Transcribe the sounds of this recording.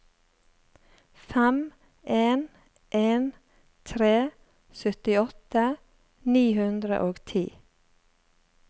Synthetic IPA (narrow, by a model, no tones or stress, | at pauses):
fɛm | ʔeːn | ʔeːn | t̪ʰɾeː | sœt̪ɪɔt̪ə | niːhʉnd̪ɾə̰ʔoːɡt̪ʰḭː